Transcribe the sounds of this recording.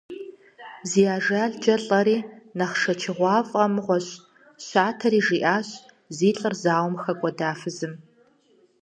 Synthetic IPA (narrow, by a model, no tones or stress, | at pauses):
ziːjaːʒaːɮd͡ʒɐɬʼɐɾiːnɐχʂɐt͡ʃʰɪʁʷɑːfʼɐmʁʷɔɕ | ɕaːtʰɐɾiːʒiːʔaːɕ | ziːɬʼɨrzaːwmxɐkʷʼɔdaːfɨzɨm